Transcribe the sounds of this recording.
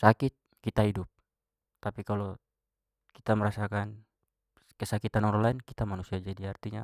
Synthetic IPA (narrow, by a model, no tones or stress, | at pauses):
sakɪt̪̚ | kit̪aɦidʊp̚ | t̪apikalo | kit̪aməɾasakan | kəsakit̪anɔɾɔlainkit̪amanusiad͡ʒadiart̪iɲa